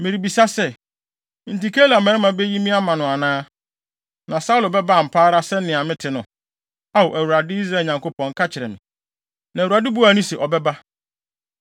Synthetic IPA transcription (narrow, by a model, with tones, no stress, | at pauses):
mɪ̃˨ɾi˨bi˨sa˦sɛ˦ | n̩˨ti˨kʰe˦la˨mɛ̃˨˦ɪ̃˦mã˨bɛ˦ji˦mĩ˦a˦mã˨nʊ̃˨a˨nãː˦ | nã˨sa˦ʊ˦lʊ˨bɛ˦ba˦a˨m̩˨pʰaː˦ɾa˦sɛ˦n̩˦ɪ̃˨a˨mɪ̃˦tʰɪ˨nʊ̃˨ | a˦wo˨ʔæ˨wu˨ɾa˨dɪ˦i˦s̬ɾaː˨ɲã˨ŋko˦pʰɔ̃˨ŋ̩˦kʰa˦t͡ɕʰɪ˨ɾɛ̰˨mɪ̃˨ | nã˨u˨a˨dɪ˦bu˦a˨˦nʊ̃˦sɛ˨ʔɔ˨bɛ˦ba˦